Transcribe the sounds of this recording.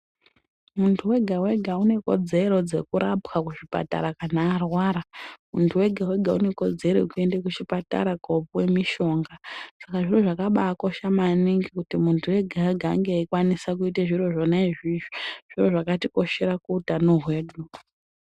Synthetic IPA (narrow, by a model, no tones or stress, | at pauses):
muntʰuwe̞ɡʱawe̞ɡʱaune̞ko̞̰d͡ze̞ɾo̞d͡ze̞kuɾapkakuʐipa̰ta̰ɾakanaːrwaːɾamuntʰuwe̞ɡʱawe̞ɡʱaune̞ko̞d͡ze̞ɾo̰kue̞ndekut͡ʃipata̰ɾaɡʱopuwe̞miʃo̞ːŋɡasakaʐiroʐakaɓaːkoʃamaniŋɡikutimuntʰuwe̞ɡʱawe̞ɡʱa̰ːŋɡeikwanisak̬uiteʐiro̞ʐonaiʐiʒiʐ̥iro̞ʐakatiko̞ʃe̞ɾakuːtanoɦwe̞ːɗu